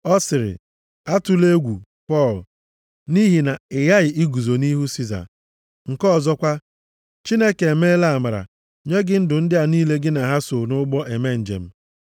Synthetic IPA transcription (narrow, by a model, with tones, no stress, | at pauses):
ɔ˦sɪ˨ɾɪ̰˨ | a˦tʊ˨le˦ɡʷu˨ | pɔ˦˨l | ni˦ɦi˨na˨ɪ˨ja˦ɣɪ˨ʔi˦ɡu˨zo˨ni˦ɦu˦si˦za̰˨ | ŋ̩˨kɔ˦˨zɔ˦kʷa˦ | t͡ʃi˦ne˦ke˨e˨me˦la˦a˨ma˨ɾa̰˨ | ɲe˦ɡɪ˦n̩˦dʊ˨n̩˦dɪ˦a˨niː˦le˦ɡɪ˦na˨ɦa˦so˨nʊ˦ɡ͡bɔ˦ʔe˨me˦n̩˨d͡ʒḛ˨m̩˦